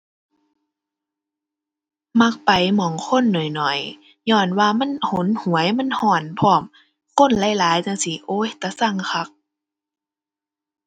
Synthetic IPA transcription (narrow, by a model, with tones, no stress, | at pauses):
ma˧˥k̚pa˨jmɔː˨˦ŋkʰo˧˥˨nːɔ˨˩jnɔ˨˩j | ɲɔː˧˩nwaː˧ma˧˥˨nho˨˦nhu˨˦əjma˧˥˨nhɔː˧˩npʰɔː˧˩m | ko˧˥˨nla˧˥˨jlaː˨˦jt͡ɕa˧˨ŋsi˧˦ʔoː˧˦˨jt̪a˧˩sa˧˩˨ŋkʰa˧˥k̚